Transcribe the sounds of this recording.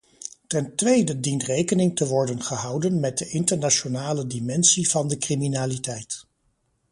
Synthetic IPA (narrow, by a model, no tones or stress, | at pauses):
tɛntʋejdədintrejkənɪŋtəʋɔɹdənχəɦɑwdənmɛt̚dəʔɪntəɹnaʃonaːlədimɛnsiv̥ɑndəkriminaːlitɛjt